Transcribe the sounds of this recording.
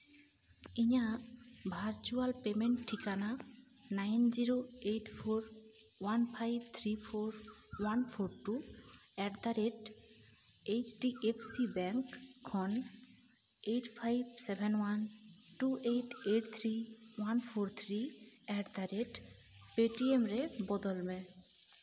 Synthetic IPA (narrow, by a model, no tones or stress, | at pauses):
iɲabʱaɾt͡ɕualpemeɳʈʈʰːikana | najnd͡ʑiɾoeʈpʰoɾ | wanpʰajb̚t̪ʰɾipʰoɾ | wanpʰoɾʈu | ɛʈd̪aɾeʈ | et͡ɕʈiʔepʰsibɛŋkʰːɔn | ejʈpʰajbsebʱenwan | ʈuʔejʈeʈt̪ʰɾiwanpʰoɾt̪ʰɾi | ɛʈd̪aɾeʈ | peʈiemɾebɔd̪olme